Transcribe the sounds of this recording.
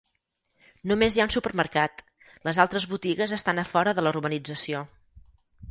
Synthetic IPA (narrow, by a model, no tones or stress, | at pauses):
numezjaunsupəɾməɾkat̪ | ləzalˠt̪ɾəzβut̪iɣəzəst̪anəfɔɾəðələurβənid͡zəsio